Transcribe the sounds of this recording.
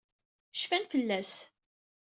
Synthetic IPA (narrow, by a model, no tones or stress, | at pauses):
ʃfænfəlːæs